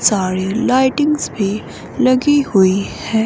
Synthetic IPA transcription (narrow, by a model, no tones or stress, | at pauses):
saːɾilaːɪʈɪ̃ŋɡzbʱi | lɐɡihʊihɛː